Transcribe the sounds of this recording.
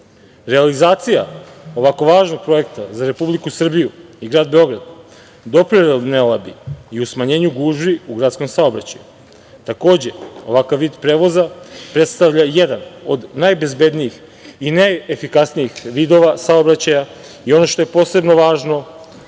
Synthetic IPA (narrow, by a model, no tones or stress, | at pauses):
ɾe̞alizaːt̪sijao̞ʋako̞ʋaːʒno̞ɡ̚pɾo̞je̞kt̪azaɾe̞publikusr̩bijuiɡɾaːd̪̚be̞o̞ɡɾad̪ | d̪o̞pɾiɾelnelˠabiiusmaɲe̞ːɲuɡuːʒʋiuɡɾat̪sko̞msaobɾa̰t͡ɕajṵ | t̪ako̞ːd͡ʑe̞o̞ʋakaʋːiːd̪pɾeːʋo̞zapɾe̞t̪st̪aʋʎajed̪ano̞d̪najbe̞zbe̞d̪nijix | inaefikasnijixʋiːd̪o̞ʋasao̞bɾat͡ɕaja | io̞no̞ʃt̪o̞je̞po̞ːse̞bno̞ʋaːʒno